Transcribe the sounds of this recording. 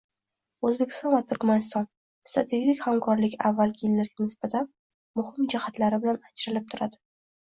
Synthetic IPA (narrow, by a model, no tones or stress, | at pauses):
ɵzbekʲɪ̥st̪ɒnvat̪ʰʊɾkmanɪst̪ɒn | st̪ɾat̪ʰe̞ɡʲikʲhamkʰɒɾlɪkʲa̰vːalˠɡʲɪjɪlːaɾɡʲanɪsbat̪ʰan | mʊhɪmd͡ʒahat̪laɾɪbɪlanad͡ʒɾɪlɪp̚t̪ʰʊɾad̪ɪ̥